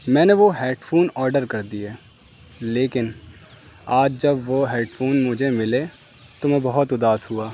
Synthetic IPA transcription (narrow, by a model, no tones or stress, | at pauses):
mɛ̃ːneʋoɦɛːʈfʰoːnɔːɾɖəɾkɐɾd̪iɛː | leːkɪn | aːd͡ʒd͡ʒɐbʋoɦɛːʈfʰoːnmʊd͡ʒʱemɪle | t̪omɛ̃bɐɦʊt̪ʊd̪aːsɦuaː